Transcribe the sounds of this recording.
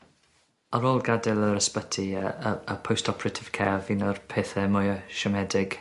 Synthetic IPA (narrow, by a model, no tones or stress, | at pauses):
əɾoːlˠɡadɛlˠəɾəspətʰiəəəpʰowstʰɔpʰɾətʰɪv̥kʰɛvinərpʰeːθɛmʊjəʃəmɛdɪɡ̥